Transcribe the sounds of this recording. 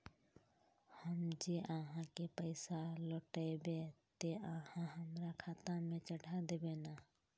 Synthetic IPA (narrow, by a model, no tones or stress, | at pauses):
həmd͡ʒeʔəɦãkepəɪsalɔʈəbet̪eəhãɦəmɾakʰat̪amẽt͡ʃəɽʱad̪eːbena